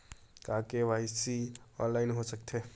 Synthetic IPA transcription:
kaːkeʋaːɪsiɔ̰ːnlaːɪnɦosək̚t̪ʰeː

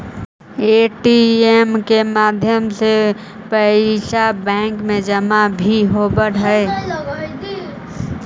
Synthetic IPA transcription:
eːʈiemkemaːd̪ʱjəmse | pəiʃabɛ̃ːŋkmẽd͡ʒəmabʱiɦobəɽɦəe

